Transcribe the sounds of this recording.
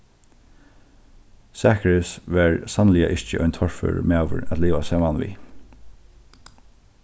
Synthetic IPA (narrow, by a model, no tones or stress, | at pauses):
sæːkɹɪsʋæɹsanlɪa̰ʔɪɹt͡ʃəʔɔʏnt̪ʰɔɹfø̰ɹmaːʋʏ̰ɹæt̪liːʋasɛːmanʋḭː